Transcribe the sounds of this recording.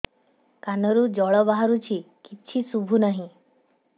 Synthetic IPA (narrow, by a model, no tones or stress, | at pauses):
kanɔɾud͡ʒɔɭɔbaɦaɾut͡ʃʰikiːt͡ʃʰisubʱunəɦĩ